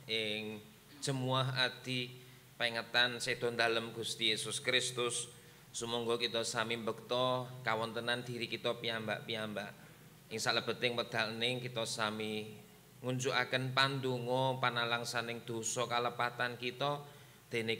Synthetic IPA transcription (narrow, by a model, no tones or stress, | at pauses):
ɪŋ | t͡ʃəmuaɦad̪̥i̤ | piŋət̪ansed̪̥ɔ̤nd̪a̤ləmɡ̥ṳst̪ijesʊskɾɪst̪ʊsː | əmɔŋɡɔkit̪ɔsamimbək̚t̪ɔkawɔnt̪ənand̪̥i̤ɾikit̪ɔpiambaʔpiambaʔ | ɪŋsaʔləb̥ə̤t̪ɪŋpəd̪̥a̤lnɪŋkit̪ɔsami | ŋuɲt͡ʃuʔakənpand̪uŋɔpanalaŋsanɪŋd̪̥o̤sɔkaləpat̪ankit̪ɔ | d̪̥e̤ne